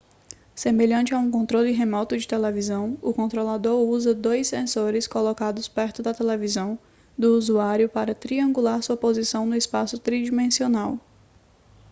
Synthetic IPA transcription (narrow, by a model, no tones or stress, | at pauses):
semeʎɐ̃nt͡ʃɪaũkõnt̪ɾolɪɦemɔt̪ʊd͡ʒɪt̪elevizɐ̃w̃ʊkõnt̪ɾolad̪oɾuzɐd̪ojsːẽsoɾɪskolɔkad̪ʊspɛɾt̪ʊd̪ɐt̪elevizɐ̃w̃ | d̪ʊuzuaɾjʊpaɾɐt̪ɾiɐ̃ŋɡulaɾsuɐpozisɐ̃w̃nʊɪspasʊt̪ɾid͡ʒimẽsionaw